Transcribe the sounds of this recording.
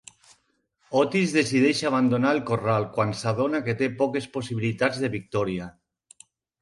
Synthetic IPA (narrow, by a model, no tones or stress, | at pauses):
ɔt̪izðesið̞eʃaβ̞and̪onaelkoralˠkwansaðonaket̪epɔkesposiβilit̪ad͡zðeβik̚t̪ɔɾia